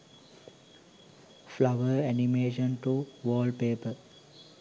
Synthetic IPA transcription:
flaʋəɾænimeːʃə̃nʈuʋɔːlɖpeːpəɾ

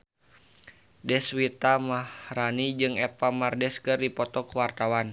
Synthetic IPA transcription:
dɛswit̪amahɾanid͡ʒɨŋɛpamardɛskɨrdipɔt̪ɔkwart̪awan

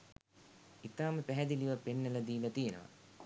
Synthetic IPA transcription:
it̪aːməpæɦɛd̪iliʋapenːəlɐd̪iːlɐt̪ijenə̰ʋɐ̰

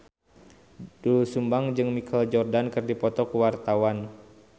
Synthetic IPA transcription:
dulusumbaŋd͡ʒɨŋmikʰald͡ʒɔrdankɨrdipɔt̪ɔkuwart̪awan

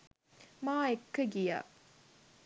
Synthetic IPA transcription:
maːekːəɡija̰ː

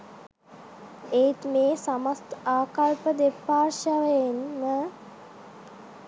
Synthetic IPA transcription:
et̪meːsamast̪aːkalpəd̪epːaːɾʃaʋejenmə

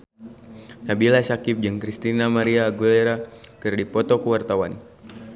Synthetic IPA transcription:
nabilasakɪp̚d͡ʒɨŋkɾist̪inamaɾiaːɡulɛɾakɨrdipɔt̪ɔkuwart̪awan

